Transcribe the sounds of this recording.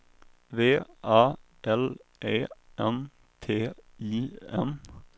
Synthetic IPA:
ʋeːʔɑː | ʔɛlʔeːʔɛm | t̪ʰeːiːɛm

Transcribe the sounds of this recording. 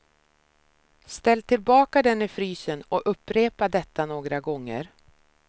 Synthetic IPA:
st̪ɛlːt̪ʰɪlbɑːkad̪ɛnːɪfɾyːsənɔʔɵpːɾeːpad̪ɛt̪ːanoːɡɾaɡɔŋːə̰ɾ

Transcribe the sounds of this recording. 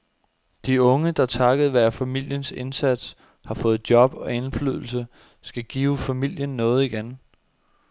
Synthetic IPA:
d̥iɔ̽ŋəd̥ɑ̈t͡sʰɑ̈ɡ̥əð̞̩ˠʋæɐfæmil̰jənse̝nsæd̥s | hɑ̈fɔ̽ːð̩ˠd̥jɒ̽b̥ɒ̽e̝nfly̰ðˠl̩sə | sɡ̥æɡ̥iːʊfæmil̰jənːɔ̽ːð̞̩ˠiɡ̥en

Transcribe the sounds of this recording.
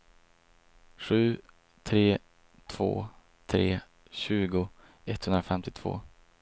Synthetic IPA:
ɧʉ̟ː | t̪ʰɾeː | t̪ʰv̥o̰ː | t̪ʰɾḛː | ɕʉ̟ːɡʊ | ɛt̪ːhɵnd̪ɾafɛmt̪ɪt̪ʰv̥o̰ː

